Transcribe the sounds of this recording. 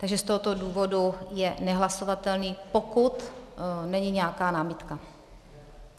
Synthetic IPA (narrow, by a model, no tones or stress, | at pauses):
t̪aɡʒɛst̪oɦot̪o̞duːvo̞dujɛnɛɦlaso̞vat̪ɛlniːpokut̪nɛɲɪɲɛakaːnaːmɪt̪ka